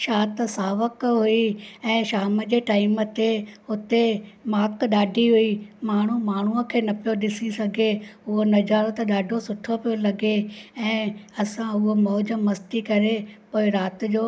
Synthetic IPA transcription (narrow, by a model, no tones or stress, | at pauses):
ʃaːt̪saːʋəkɦʊiɛ̃ːʃaːməd͡ʑeːʈaːɪmə̆t̪eʊt̪emaːkɗaːɖʱiɦʊimaːɳ̤umaːɳ̤uəkʰeːnɐpijoɗɪsisɐɡʱeʊɦonɐd͡ʑaːɾt̪ɗaːɖʱosʊʈʰopijolɐɡeɛ̃ːɐsãʊɦomɔːd͡ʑə̆mːɐst̪ikɐɾepoːɪɾaːt̪̆d͡ʑoː